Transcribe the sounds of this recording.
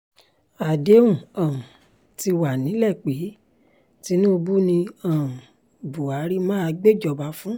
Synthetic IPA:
a˨de˨˦ũ˦˨ã˨ | ti˧wa˨nĩ˨˦lɛ˦˨k͡pe˨˦ | ti˧˦nũ˦o˧bu˦nĩ˧ã˨ | bu˨a˨˦ɾi˦mãː˦a˧ɡ͡be˦˨d͡ʒɔ˧˨ba˧˦fũ˦

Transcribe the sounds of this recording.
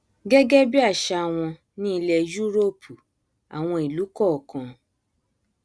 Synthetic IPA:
ɡɛ˦ɡɛ˦bi˦a˦˨ʃa˧˨w̃ɔ̃˧ | nĩ˦i˧lɛ˧d͡ʒu˦ɾo˦˨pʰu˨ | a̰˨w̃ɔ̃˧i˨lu˨˦kɔ˦˨kã˧

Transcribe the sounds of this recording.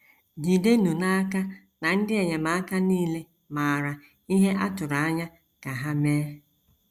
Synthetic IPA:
ɲi˨de˦nu˨na˦ka˦ | na˨n̩˦dɪ˦e˨ɲe˨ma˨a˦ka˦niː˦le˦ | ma˨a˨ɾa˨ | i˦ɦe˦ʔa˦tʊ˨ɾa˨a˦ɲa˦ | ka˨ɦa˦meː˦

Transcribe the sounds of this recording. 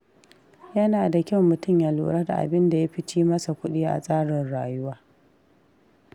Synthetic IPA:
jɐ˦naː˨da˨kʲɐ˦wmʊ˨tʊ˦˨mjaː˨lṵː˨ɽa˦da̰˨ʔa̰˨bɪ˦nda˨ja˦ɸɪ˦t͡ʃiː˦mɐ˦sa˨kʷʊ˦ɗiː˦ʔa̰˨sʼaː˦ɽɪ˨nɽaː˨jʊ˦waː˦

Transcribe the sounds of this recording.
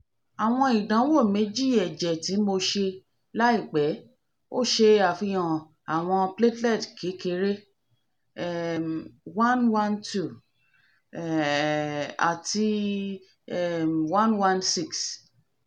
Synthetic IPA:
a˨w̃ɔ̃˧i˨dã˨˦wo˦˨me˨˦d͡ʒi˦˨ɛ˨d͡ʒɛ˨ti˨˦mo˧ʃe˧ | la˦i˦˨k͡pɛ˨˦ | o̰˦˨ʃe˧a˨fi˧jɔ̃˨ | a˨w̃ɔ̃˧ple˦tlɛ˦˨tkʰe˨˦ke˦ɾe˦ | mwã˦nwã˦ntu˦˨ | a̰˨ti˧ | ɛ˦˨mwã˦nwã˦nsi˦˨ks

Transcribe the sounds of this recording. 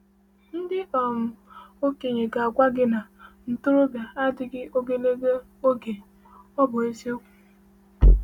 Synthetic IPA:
n̩˦dɪ˦ɔ˨mʊ˨o˦ke˨ɲe˨ka˨a˨kʷa˦ɡɪ˦na˨n̩˨tʊ˦ɾʊ˦bja˨a˦dɪ˨ɡɪ˦ʔo˦ɡe˦ne˦ɡe˦ | o˦ɡe˨ | ɔ˦bʊ˨e˦se˦kʷ

